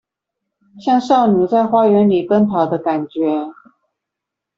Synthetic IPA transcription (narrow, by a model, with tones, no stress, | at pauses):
ɕjɑ˥˧ŋʂɑ˥˩ʊnu˨˩t͡sa˥˩ɪxwa˥ɥɛ˧˥nli˨˩kə˥nt̪ʰɑ˨˩ʊd̪ə˦ka˨˩nt͡ɕɥɛ˧˥